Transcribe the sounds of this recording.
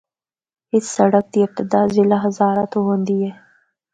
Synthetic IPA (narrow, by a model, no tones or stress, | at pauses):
hɪt͡ssaɽak̚d̪iɪq̚t̪ɪd̪ɑzɪlaɦazɑɾat̪oɦond̪ije